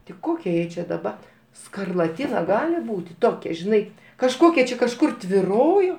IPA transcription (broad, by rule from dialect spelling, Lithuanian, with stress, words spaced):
tʲɪ ˈkoːkʲɛ ˈjɛɪ t͡ʃʲɪ dɐˈbɐ skɐrlˠɐˈtʲɪnɐ ˈɡɑːlʲɪ ˈbuːtʲɪ ˈtoːkʲɛ ʒʲɪˈnɐɪ kɐʃˈkoːkʲɛ t͡ʃʲɛ kɐʃˈkʊr tʲʋʲɪˈroːjoː